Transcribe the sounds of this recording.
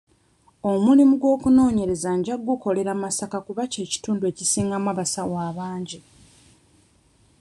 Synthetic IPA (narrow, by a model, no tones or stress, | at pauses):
o̞mulimuɡwo̞ːkuno̞ːɲe̞ɾe̞zaɲɟaɡːuko̞le̞ɾamasakakuβace̞ːci̥tuːndue̞cisiːŋɡamaβasawaːβaːɲɟi